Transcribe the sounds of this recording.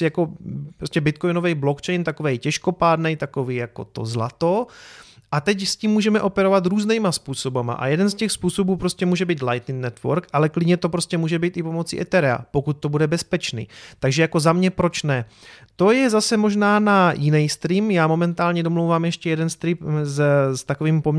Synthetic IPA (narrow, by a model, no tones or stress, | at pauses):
jako̞ppɾoscɛbɪt̪kojnovɛjblokt͡ʃɛjnt̪akovɛjcɛʃko̞paːd̪nɛjt̪akoviːjako̞̰t̪o̞̰zla̰t̪o̞ | ʔat̪ɛcsciːmːuːʒɛmɛʔo̞pɛɾovat̪ɾuːznɛjmaspuːso̞bama̰ʔa̰jɛdɛnscɛxspuːso̞buːpɾo̞scɛmuːʒɛbiːt̪lajt̪nɪnnɛt̪vo̰ɾkʔalɛklɪdɲɛt̪opɾoscɛmuːʒɛbiːt̪ʔɪpo̞mo̞t͡sḭːʔɛt̪ɛɾɛa̰po̞kut̪̚ːo̞budɛbɛspɛt͡ʃnḭːt̪aɡʒɛjako̞zamɲɛpɾo̞t͡ʃnɛ | t̪o̞jɛzasɛmo̞ʒnaːnajɪnɛjst̪ɾiːmjaːmo̞mɛnt̪aːlɲɛdomlowvaːmjɛʃcɛjɛdɛnst̪ɾipzst̪akoviːmpom